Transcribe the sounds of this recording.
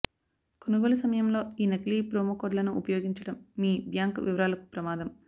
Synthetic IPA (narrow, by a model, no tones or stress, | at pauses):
konuɡoːlɐsɐmɐjɐmlo̞ːiːnɐkliːpɾoːmɐkoːɖlɐnuʔupɐjoːɡiɲt͡ʃɐɽɐmːiːbjaːŋkʋiʋɐɾaːlɐku̥pɾɐmaːd̪ɐm